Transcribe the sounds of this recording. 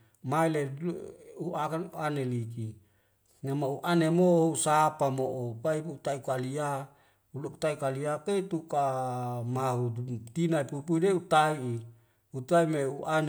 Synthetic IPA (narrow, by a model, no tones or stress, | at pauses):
maile | uʔakanuanelik̬i | nemauʔanemousapamoʔopaiut̪aikalia | ulou̥t̪aikaliapet̪ukamaut̪inaipupuideut̪aiː | ut̪aimeuʔan